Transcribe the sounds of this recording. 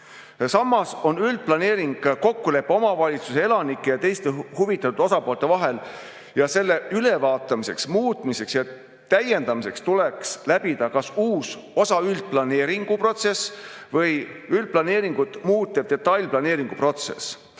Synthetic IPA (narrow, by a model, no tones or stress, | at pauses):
sɑmːɑso̞nyld̪̥̚plɑne̞ːɾiŋɡ̥ko̞kːule̞pːeo̞mɑvɑlʲit̪suse̞e̞lɑnikˑːejɑt̪e̞jst̪e̞huvit̪ːˑɑt̪ud̪̥o̞sɑpo̞ːlt̪ːˑe̞vɑɦe̞l | jɑse̞lːe̞ylevɑːt̪ːˑɑmise̞̰ksmuːt̪ˑmise̞ksjɑ | t̪æje̞nd̪ɑmise̞kst̪ulekslæbid̪ɑkɑsuːs | o̞sɑyld̪̥̚plɑne̞ːɾiŋɡ̥upro̞t̪se̞svɤjyld̪̚plɑne̞ːɾiŋɡ̥ut̪muːt̪ːeb̥̚d̪e̞t̪ːɑjlʲplɑne̞ːɾiŋɡ̥upro̞t̪se̞̰s